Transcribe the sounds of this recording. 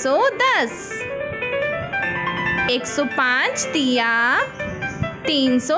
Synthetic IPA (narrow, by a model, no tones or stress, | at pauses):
sɔd̪əs | eksɔpãt͡st̪ija | t̪iːnsɔ